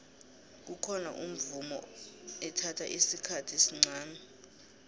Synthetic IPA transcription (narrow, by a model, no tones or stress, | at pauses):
k̬ukʰɔna̰ʔum̩vumɔ̰ɛtʰatʰa̰ʔisikʰatʰisiŋ͡ǀaːnɛ